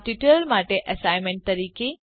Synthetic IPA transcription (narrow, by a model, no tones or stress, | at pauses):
ʈiʈəlmaʈeʔɐsaɪmẽɳʈ̚t̪ɐɾiːke